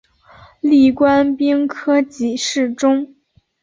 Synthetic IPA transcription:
li˥˩kwa˥npi˥ŋkʰɤ˥t͡ɕi˨˩ʂɻ̩˥˩ʈ͡ʂʊ˥ŋ

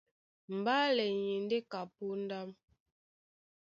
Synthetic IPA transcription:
m̩˨ba˦lɛ˨ɲi˨n˦de˦ka˨pu˦n̩˦da˦m

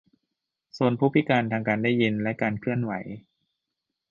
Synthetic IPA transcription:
su˧ənpʰuː˦˥˩pʰi˦˥kaː˧nt̪ʰaː˧ŋkaː˧ndaː˥˩jːi˧nlɛ˦˥kaː˧nkʰɯ˥˩ənwa˩˦j

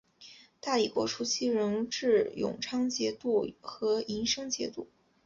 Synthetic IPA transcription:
t̪a˥˩li˨˩pwɔ̰˧˥ʈ͡ʂʰu˧˥t͡ɕʰi˥ɻə˧˥ŋʈ͡ʂɻ̩˥˩jʊ̰˨˩ŋʈ͡ʂʰɑ˥ŋt͡ɕjɛ˧˥t̪u˥˩xɤ˧˥i˧˥nʂɤ˥ŋt͡ɕjɛ̰˧˥t̪u˥˩

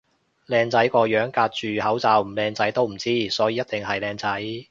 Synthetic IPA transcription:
lɛː˧ŋt͡sɐ˨˥jkɔː˧jœː˨˥ŋkaː˧t̚t͡ʃyː˨˩hɐ˨˥wt͡saː˧wm̩˨˩lɛː˧ŋt͡sɐ˨˥jt̪o˥wm̩˨˩t͡siː˥sɔː˨˥jiː˨˧jɐ˥t̚t̪ɪ˨ŋɦɐ˨jlɛː˧ŋt͡sɐ˨˥j

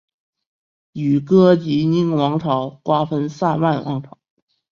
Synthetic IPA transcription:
y˨˩kɤ˥t͡ɕi˧˥ni˥ŋwɑ˧˥ŋʈ͡ʂʰɑ˨˩ʊkwa˥fə˥nsa˥˧nma˥˩nwʔɑ̰˧˥ŋʈ͡ʂʰɑ˨˩˦ʊ

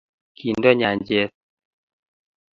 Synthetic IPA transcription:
ki˨ndɔ˦ɲa˨ɲd͡ʒe˦t̚

